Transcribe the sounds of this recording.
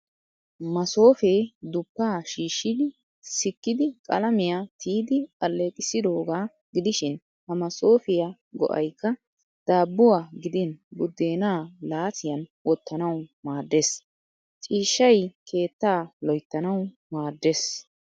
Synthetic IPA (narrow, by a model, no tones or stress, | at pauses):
mɐso̞ːfeːd̪ʊpːaːʃiːʃːɪd̪ɪ | sɪkːɪd̪ɪkʼɐlɐmɪjat̪ʰiːd̪ɪkɐlːeːkʼɪsɪd̪o̞ːɡaː | ɡɪd̪ɪʃɪn | hɐmɐso̞ːfɪja | ɡɔ̰ʔɐ̰jkːɐ | d̪̥aːbːʊwaːɡɪd̪ɪnbʊd̪ːeːnaːlaːsɪjɐnwɔt̪ːɐnɐwmaːd̪ːes | t͡ʃʼiːʃːɐjkʰe̞ːt̪ːaːlɔjt̪ːɐnɐw | maːd̪ːeːs